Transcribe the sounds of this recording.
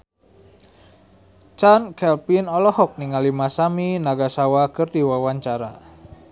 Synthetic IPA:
t͡ʃankɛlpinɔlɔhɔk̚niŋalimasaminaɡasawakɨrdiwawaɲt͡ʃaɾa

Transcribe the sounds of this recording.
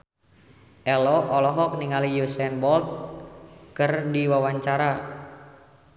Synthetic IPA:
ʔɛlɔʔɔlɔɦɔk̚niŋalijusɛnbɔlt̪̚ | kɨrdiwawaɲt͡ʃaɾa

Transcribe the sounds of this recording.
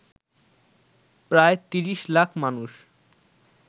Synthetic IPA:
pɾaet̪iɾiʃlakʰmanuʃ

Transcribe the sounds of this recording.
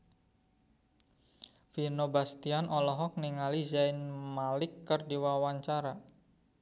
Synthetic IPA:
finobast̪ianʔɔlɔɦɔk̚niŋalizaɪnmalɪkːərdiwawaɲt͡ʃaɾa

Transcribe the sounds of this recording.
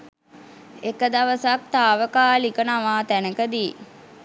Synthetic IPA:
ekəd̪aʋəsak̚t̪aːʋəkaːlikənaʋaːt̪ænəkəd̪i

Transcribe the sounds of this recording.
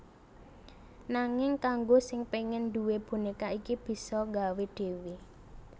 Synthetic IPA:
naŋɪŋkaŋɡosɪŋpeŋɪnd̪uweb̥ṳnikaikib̥i̤sɔŋɡaweɖ̪̥e̤wi

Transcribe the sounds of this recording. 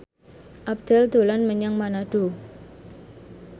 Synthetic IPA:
ʔab̚d̪̥ɛld̪̥o̤lanməɲəŋmanaɖ̥o̤

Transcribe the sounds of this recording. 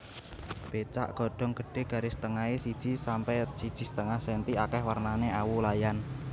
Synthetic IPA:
b̥et͡ʃa̰ʔɡ̥ɔ̤ɖ̥ɔ̤ŋɡ̥ə̤ɖ̥e̤ɡ̥a̤ɾesə̥t̪əŋaisid̥ʒ̥i̤sampɛsid̥ʒ̥i̤sə̥t̪əŋahsɛnt̪iakɛhwarnaneʔawulajan

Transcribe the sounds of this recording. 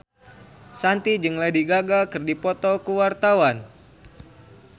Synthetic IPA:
sant̪id͡ʒɨŋladiɡaɡakɨrdipɔt̪ɔkuwart̪awan

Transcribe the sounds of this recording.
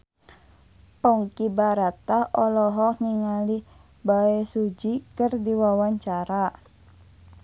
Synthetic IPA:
pɔŋkibaɾat̪ahɔlɔɦɔŋiŋali | baɛsud͡ʒikərdiwawaɲt͡ʃaɾa

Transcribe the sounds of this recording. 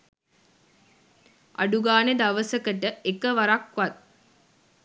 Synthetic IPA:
ʔa̰ɖuɡaːned̪aʋəsəkəʈəekəʋaɾakʋat̪̚

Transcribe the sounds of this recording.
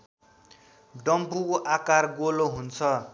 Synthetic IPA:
ɖʌmpukoʔakarɡoloɦunt͡sʰʌ

